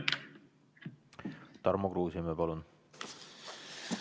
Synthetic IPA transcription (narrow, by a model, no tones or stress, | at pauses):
t̪ɑɾmoɡruːsimepɑlun